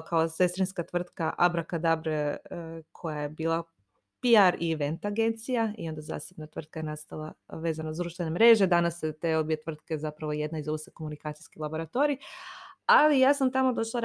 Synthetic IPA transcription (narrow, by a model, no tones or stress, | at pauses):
kaose̞st̪ɾinskat̪ʋr̩t̪kaʔabɾakad̪abɾe | kʰo̞jaje̞biːlˠa | piaɾiʋe̞nt̪aɡe̞nt̪sijaḭo̞nd̪aza̰ːsebnat̪r̩t̪̚kaje̞nast̪alˠaʋe̞ːzanazd̪ɾuʃt̪ʋe̞ne̞mɾe̞ːʒe̞d̪anasjet̪eobijet̪ʋr̩t̪ke̞zapɾaʋo̞je̞d̪naizoʋseko̞munikaːt̪sijskilˠabo̞ɾat̪o̞ɾi | alijaːsamt̪amo̞d̪o̞ʃlˠaɾ